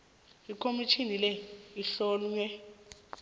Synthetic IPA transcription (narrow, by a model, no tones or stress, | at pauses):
ikʰomit͡ʃʰinilɛiɬɔːlɲwɛ